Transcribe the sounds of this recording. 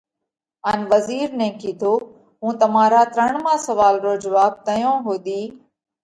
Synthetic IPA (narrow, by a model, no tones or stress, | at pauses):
əːnʋəziːɾnẽːkʰiːd̪ʰʱoː | ɦũːt̪əmãːɾaːt̪ɾəɳ̃mãːsəʋaːlɾoːd͡ʒəʋaːb̚t̪əjõːɦoːd̪iː